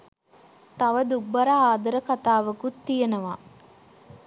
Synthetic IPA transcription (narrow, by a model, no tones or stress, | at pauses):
t̪ɐʋəd̪ubɐɾaaːd̪ɐɾəkat̪aːʋəkut̪ːijenəʋa